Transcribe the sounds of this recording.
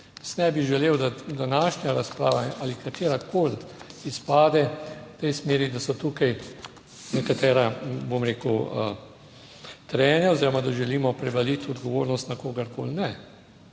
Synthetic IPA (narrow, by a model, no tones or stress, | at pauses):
snɛbiʒɛleːwd̪ad̪anaːʃnjaɾaspɾaːʋaʔalikat̪eːɾakolt̪ispaːd̪ɛt̪ɛjsmeːɾid̪asɔt̪ukaj | nɛkat̪ɛːɾabomɾeːkəwə̰ | t̪ɾɛːnɛoziːɾɔmad̪aʒɛliːmɔpɾɛbalit̪ɔd̪ɡɔʋoːɾnɔst̪nakoːɡɐɾkoːlnɛ